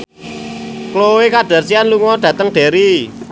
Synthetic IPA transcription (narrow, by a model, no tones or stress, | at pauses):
klowekaɖ̥a̤rsianluŋɔd̪̥ä̤t̪əŋɖ̥e̤ɾi